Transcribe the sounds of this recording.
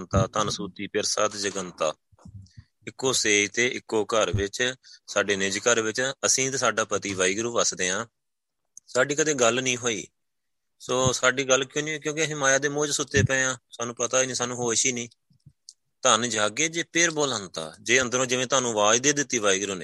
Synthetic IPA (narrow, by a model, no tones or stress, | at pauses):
nt̪aːt̪ənsuːt̪iːpɪɾsaːt̪d͡ʒəɡənt̪a̰ː | ɪkːoːseːit̪eːʔɪkːoːkəɾʋɪt͡ʃsaːɖeːnɪd͡ʒkəɾʋɪt͡ʃəsĩːt̪ːsaːɖaːpət̪iːʋaːiːɡɾuːʋəsd̪eːãː | saːɖiːkəd̪eːɡəlnĩːɦoːḭː | soːsaːɖiːɡəlːkjõːniːoːkjõːkɪɦɪmaːjaːd̪eːmõːd͡ʒsʊt̪ːeːpɛ̃ːãːsaːnũːpət̪aːiːniːsaːnũːɦoːʃiːnĩː | t̪ənd͡ʒaːɡeːd͡ʒeːpʰɪɾboːlənt̪a̰ːd͡ʒeːənd̪əɾõːd͡ʒɪʋẽːt̪ʊaːnũːʋaːd͡ʒd̪eːd̪ɪt̪ːiːʋaːiːɡɾuːnḛː